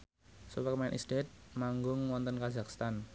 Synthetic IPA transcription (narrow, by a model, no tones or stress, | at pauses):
subəkmanʔḭst̪et̪̚maŋɡʊŋwɔnt̪ɔnkazakst̪an